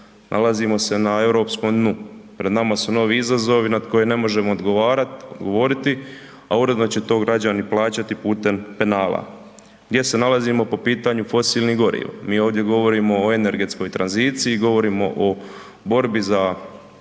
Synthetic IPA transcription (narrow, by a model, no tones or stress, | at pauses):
nʔa̰lazimo̞se̞nae̞wɾo̞ːpsko̞md̪nupɾe̞d̪namasuno̞ːʋiizazo̞ʋinad̪ko̞jene̞mo̞ʒe̞moːd̪ɡoʋaːɾat̪od̪ɡo̞ʋo̞ːɾit̪i | auɾe̞d̪no̞t͡ɕe̞t̪o̞ːɡɾad͡ʑaniplˠaːt͡ɕat̪ipuːt̪e̞mpe̞naːla̰ | ɡd̪je̞se̞nalazimo̞po̞piːt̪aɲufo̞siːlniɡo̞ɾḭʋamiːo̞ːʋd̪je̞ɡo̞ʋo̞ɾiːmo̞ːe̞ne̞ɾɡe̞t̪sko̞jt̪ɾanziːt̪siːɡo̞ʋo̞ɾiːmo̞ʔo | bo̞ɾbiza